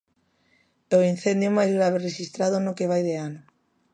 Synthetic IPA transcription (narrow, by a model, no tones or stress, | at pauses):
oin̟θend̪jomajzɾaβereʃist̪ɾaðonokeβ̞ajðeano